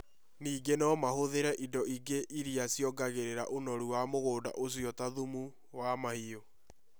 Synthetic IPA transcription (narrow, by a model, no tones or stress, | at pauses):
niːɡenɔmahoðeɾɛʔidɔʔiɡeʔiɾiasiɔɡaɣeɾeɾaʔonɔɾuwamoɣoːda̰ʔos̬iɔtaðumu | wamahio